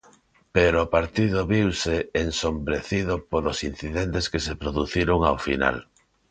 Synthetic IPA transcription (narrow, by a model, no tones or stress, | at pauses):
peɾoːpaɾt̪ið̞oβiwseːnsombɾeθið̞opolosinθiðent̪eskesepɾoðuθiɾoŋawfḭna̰l